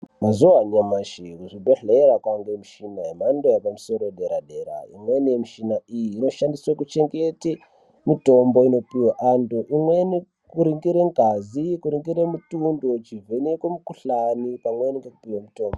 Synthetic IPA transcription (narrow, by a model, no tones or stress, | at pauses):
mazuwaɲamaʃiuʐidoɮeɾakwaŋɡemiʃinaemandojapamuso̞ɾoɗeɾaɗe̞ɾa̰ḭmwe̞niemiʃinaijiːno̞ʃandiswakut͡ʃe̞ŋɡe̞te | mito̞mbo̞ino̞piwaʔandoʔimweni | kuɾiŋɡiɾeŋɡʱazikuɾiŋɡiɾemutundot͡ʃivenekwemukuɬanipamweniŋɡekupiwamuto̞ːmbo